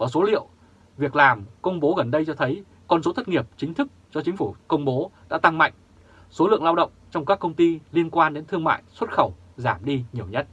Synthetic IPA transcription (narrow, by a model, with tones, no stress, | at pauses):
ʔəː˧˩so˨˦lḭ˧˨əw | vi˨˩ək̚laː˨˩mkə˧wŋ͡mɓo˨˦ɣə˨˩nɗə˧jt͡ɕɔ˧t̪ʰə˨˦j | kɔ˧nso˨˦t̪ʰə˦˥t̚ŋi˨˩əp̚t͡ɕï˨˦ŋ̟t̪ʰɨ˦˥k̚t͡ɕɔ˧t͡ɕï˨˦ŋ̟fu˧˩kə˧wŋ͡mɓo˨˦ɗa̰ː˧˥t̪a˧ŋma̰˧˨jŋ̟ | so˨˦lɨ̰˧˨əŋlaː˧wɗə̰˧˨wŋ͡mt͡ɕɔ˧wŋ͡mkaː˦˥kːə˧wŋ͡mt̪i˧li˧ənkwaː˧nɗe˨˦nt̪ʰɨ˧əŋma̰ː˧˨jswə˦˥t̚xə˧˩w | zaː˧˩mɗi˧ɲi˨˩əwɲə˦˥t̚